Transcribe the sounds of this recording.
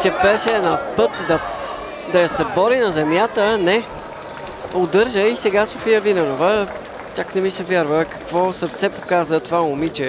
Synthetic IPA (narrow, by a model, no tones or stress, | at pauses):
t͡ʃɛbɛʃɛːnapɤt̪d̪ɐ | d̪ɐjɐsɛbɔɾinɐzɛmjat̪ənɛ | od̪ɤɾʒəisɛɡasofijəvinɛnovə | t͡ʃaknɛmisɛvʲjaɾvəkɐ̥kvɔsəɾt̪sɛpo̥kazət̪ovamʊmit͡ʃɛ